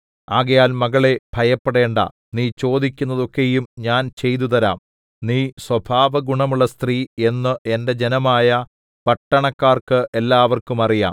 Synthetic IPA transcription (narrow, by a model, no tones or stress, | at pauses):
aːɣɐjaːlmɐɣɐɭe̞b̥ʱɐjɐpːeɽe̞ːɳɖɐ̰ | niːt͡ɕo̞ːd̪ikʲːunːɐðo̞kːe̞jumɲaːnt͡ɕe̞jt̪̬ut̪ɐɾa̰ːm | niːswɐbʱaːʋɐɡuɳɐmuɭːɐst̪riːe̞nːɨʔe̞nde̞d͡ʑe̞nɐmaːjɐ | pɐʈːɐɳɐkːaːrkɨʔe̞lːaːʋɐrkumɐrija̰ːm